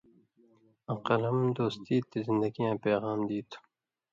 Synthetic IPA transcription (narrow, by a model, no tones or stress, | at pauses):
ɐqəlɐmd̪oːst̪iːt̪ːezɪnd̪ɐɡijãːpeːɣɑːmd̪iːt̪